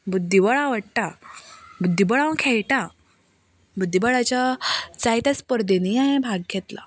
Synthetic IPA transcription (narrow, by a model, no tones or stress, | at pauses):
bud̪ʱːibɔɭaʋəʈʈ̪a | bud̪ʱːibɔɭãʋ̃kʰɛɭʈa | bud̪ʱːibəɭat͡ɕat͡sajt̪at͡spəɾd̪eniaɦẽbʱaɡ̚ɡʰɛt̪la̰